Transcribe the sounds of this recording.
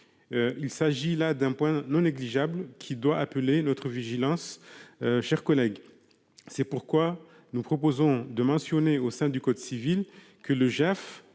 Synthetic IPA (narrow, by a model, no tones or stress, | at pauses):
øilsaʒilad̪ɛ̃pwɛ̃nɔ̃neɡliʒablkʲʰid̪waʔapəlenɔt̪χəviʒilɑ̃s | ʃɛʁkɔlɛɡ | sɛpuʁkwa | nupχɔpozɔ̃d̪əmɑ̃sjɔneosɛ̃d̪ykɔd̪sivil | kələʒɛf